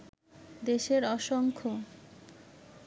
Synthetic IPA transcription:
d̪eʃeɾɔʃoŋkʰo

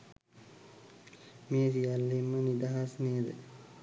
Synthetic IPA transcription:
meːsialːimːənid̪aɦasneːd̪ə̰

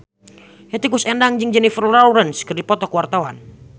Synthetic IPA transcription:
hjat̪ikusɛndaŋd͡ʒɨŋd͡ʒɛnifərlauɾənskərdipɔt̪ɔkwart̪awa̰n

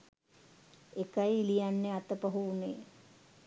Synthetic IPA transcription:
ekəjilijanːeat̪əpəɦuːneː

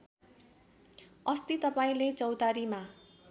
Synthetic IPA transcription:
ʌst̪it̪ʌpaĩlet͡sʌwt̪aɾima

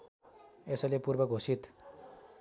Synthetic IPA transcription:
esʌlepurbʌɡʱosit̪

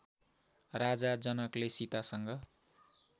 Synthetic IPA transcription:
rad͡zad͡zʌnʌklesit̪asʌŋɡʌ

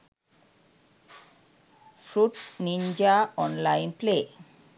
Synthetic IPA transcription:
fɾuʈnind͡ʑaɔnlajnple

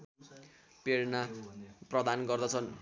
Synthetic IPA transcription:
peɽnaprʌd̪anɡʌrd̪ʌt͡sʰʌn

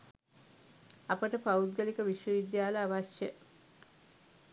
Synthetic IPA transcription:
apəʈəpaud̪̚ɡəlikəʋiʃʋəʋid̪jaːləaʋaʃjə

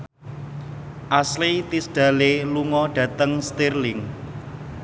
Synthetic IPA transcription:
ʔaslit̪isd̥ä̤leluŋɔɖ̥ä̤t̪əŋst̪irlɪŋ

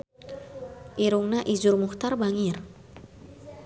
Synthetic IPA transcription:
ʔiɾuŋnaʔid͡ʒurmuxt̪arbaŋir

